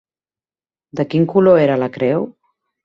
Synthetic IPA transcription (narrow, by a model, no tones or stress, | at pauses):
d̪əkiŋkuloeɾələkɾɛw